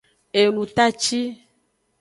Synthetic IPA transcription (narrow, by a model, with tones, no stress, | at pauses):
e˨nũ˨t̪a˦t͡ʃi˦